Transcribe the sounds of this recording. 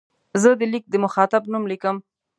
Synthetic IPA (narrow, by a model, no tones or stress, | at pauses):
zəd̪əlik̚d̪əmʊxɑt̪abnumlikəm